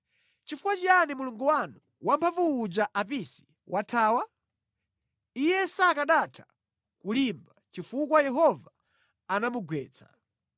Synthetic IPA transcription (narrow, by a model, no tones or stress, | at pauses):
t͡ʃifukwat͡ʃianimuluŋɡuwanu | wampʰavuːd͡ʒaʔapisi̥ | wʔatʰaːwa | ijɛsakaɗatʰḁ | kulimbat͡ʃifukwajɛɦɔvaː | namuɡwɛ̰ːt͡sḁ̰